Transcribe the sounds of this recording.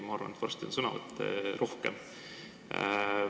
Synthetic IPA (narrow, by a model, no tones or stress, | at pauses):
mɑɑrvɑ̰net̪vɑ̰rst̪ʲinsɤnɑvɑ̰t̪ːˑerʔo̞hkem